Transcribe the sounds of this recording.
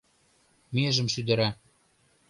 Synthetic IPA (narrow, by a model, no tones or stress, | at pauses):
meʒə̆mʃyd̪ə̆ɾæ